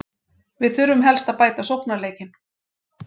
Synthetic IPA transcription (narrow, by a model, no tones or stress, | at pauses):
vɪðθʏɾvʏmɦɛlst̪aðpaːjt̪asowhpnaleːjcɪn